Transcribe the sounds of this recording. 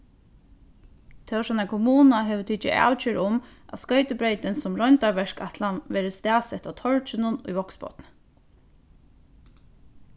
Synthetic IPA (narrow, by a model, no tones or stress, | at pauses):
t̪ʰɛʂɛnakʰʊmuːnaɦɛʋət̪ʰit͡ʃɪ̰ʔa̰wt͡ʃɪɾʊmʔa̰skœʏt̪ɪbɾeɪt̪ɪnsʊmɹɔjnt̪aɹʋɛʂkat̪ʰlanʋɛːɾəst̪æːsɛt̪at̪ʰɔɹt͡ʃɪnʊnṵjʋɔksbɔ̰t̪n